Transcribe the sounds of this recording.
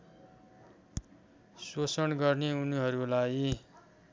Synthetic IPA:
sosʌnɡʌrneunɦʌɾulaj

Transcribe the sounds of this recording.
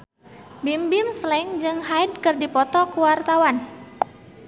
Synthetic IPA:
bimbimslɛŋd͡ʒɨŋɦajd̚kɨrdipɔt̪ɔkuwart̪awan

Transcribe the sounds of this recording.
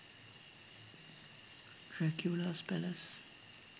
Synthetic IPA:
ɹɛɡʰjuləspɛləs

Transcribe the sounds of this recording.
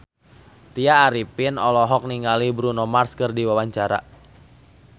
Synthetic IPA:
t̪iaːɾipɪnɔlɔɦɔk̚niŋalibɾunɔmarskɨrdiwawaɲt͡ʃaɾa̰

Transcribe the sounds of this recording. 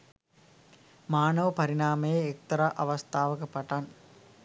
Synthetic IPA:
maːnɐʋəpɐɾinaːmejeːk̚t̪ɐɾaʔɐʋɐst̪ʰaːʋəkəpaʈan

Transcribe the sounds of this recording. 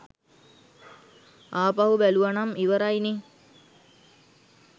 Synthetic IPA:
aːpaɦubæluʋanamiʋəɾajni

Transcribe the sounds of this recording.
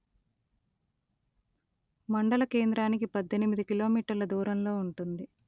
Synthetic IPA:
mɐɳɖɐlɐke̞ːnd̪ɾaːnikipɐd̪ʱːenimid̪ikilo̞ːmiːʈɐɾlɐd̪uːɾɐmlo̞ːuɳʈund̪i

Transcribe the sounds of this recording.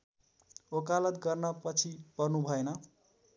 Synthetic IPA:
okalʌt̪ɡʌrnʌpʌt͡sʰipʌrnubʱʌenʌ

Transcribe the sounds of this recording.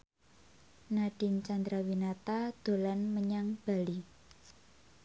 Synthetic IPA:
naɖ̥ɪ̤nt͡ʃand̪ɾawinat̪ad̪̥o̤lanməɲaŋb̥a̤li

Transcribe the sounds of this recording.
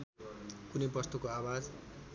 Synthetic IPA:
kunʌjpʌst̪ukoawad͡z

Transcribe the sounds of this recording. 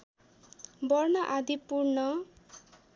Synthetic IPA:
bʌrnʌʔad̪ʱipurnʌ

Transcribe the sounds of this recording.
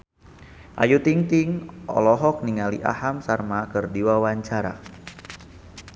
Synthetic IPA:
ʔa̰jut̪iŋt̪iŋɔ̰lɔɦɔk̚niŋalḭʔa̰hamsarmakərdiwawaɲt͡ʃaɾa̰

